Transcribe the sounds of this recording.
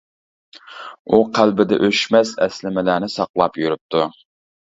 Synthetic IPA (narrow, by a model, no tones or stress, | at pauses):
uqʰælbɪd̪ɛ̰ʔøʃmɛsɛ̰slɪmɛlæːnɪsɑqlˠɑpjyɾyp̚t̪ʰu